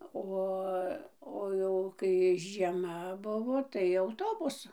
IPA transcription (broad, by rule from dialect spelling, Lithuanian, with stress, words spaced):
ˈoː oː ˈjɛʊ kɐɪ ʒʲiɛˈmɐ ˈbʊʋoː tɐɪ ɐʊˈtoːbʊsʊ